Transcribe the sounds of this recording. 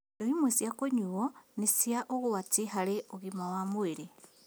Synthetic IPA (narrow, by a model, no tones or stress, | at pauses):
oimwesjakoɲuonisjaʔoɣuwatiɦaleoɣimawamueɾe